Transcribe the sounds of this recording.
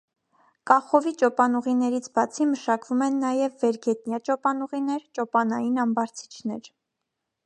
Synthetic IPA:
kɑχɔvit͡ʃɔpɑnuʁinɛɾit͡sʰbɑt͡sʰiməʃɑkvumɛnːɑjɛvːɛɾɡɛt̪njɑt͡ʃɔpɑnuʁinɛɾt͡ʃɔpɑnɑjinɑmbɑɾt͡sʰi̥t͡ʃʰnɛɾ

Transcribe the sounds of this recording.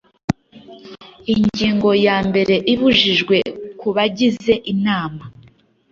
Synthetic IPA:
iɲɟiːŋɡo̞jaːmbe̞ɾe̞ʔiβuʒiʒɡwe̞kuβaɟize̞ʔinaːma

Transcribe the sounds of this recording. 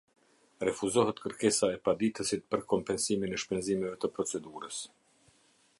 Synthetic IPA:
rɛfuzɔɦət̪kəɾkɛsaɛpad̪it̪əsit̪̚pəɾkɔmpɛnsiminɛʃpɛnzimɛvɛt̪əpɾɔt͡sɛd̪uɾəs

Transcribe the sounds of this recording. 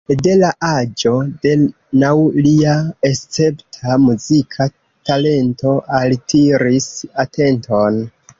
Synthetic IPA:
de̞laʔad͡ʒo̞de̞ | nawliae̞st͡se̞ptʰamuzikʰa | tale̞nto̞ʔaltʰiɾisatʰe̞nto̞n

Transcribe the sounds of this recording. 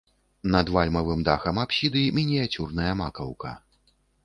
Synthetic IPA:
nɐd̪valʲmɐvɨmd̪axɐmapɕʲid̪ɨmʲinʲijat͡sʲurnɐjɐmakɐwkɐ̰

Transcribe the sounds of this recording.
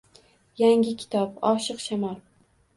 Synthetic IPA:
jaŋʲɪkʲʰɪ̥t̪ʰɒpɒʃɨqʃamɒl

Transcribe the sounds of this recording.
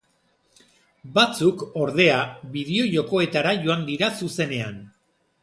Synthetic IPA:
bat͡suko̞ɾðe̞aβiðeo̞ʝo̞ko̞e̞t̪aɾaʝo̞and̪iɾasuse̞ne̞an

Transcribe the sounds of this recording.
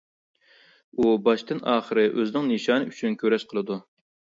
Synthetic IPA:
ubɑʃt̪ɨnɑːχəɾɨʔøzɪnɪŋnɨʃɑːnɨyt͡ʃʰynkʲʰøɾɛʃqʰəlˠɨd̪u

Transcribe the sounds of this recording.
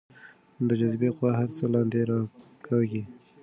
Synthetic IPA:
d̪əd͡ʒazbeqwaɦaɾt͡səlɑ̃nd̪eɾɑ | kʰɑɡi

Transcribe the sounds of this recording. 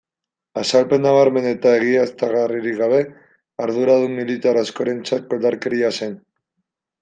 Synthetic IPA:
asalpe̞nːaβaɾme̞ne̞t̪ae̞ɣiast̪aɣariɾiɣaβe̞ | aɾðuɾaðumilit̪aɾasko̞ɾe̞nt͡sat̪̚ko̞ld̪aɾke̞ɾiase̞n

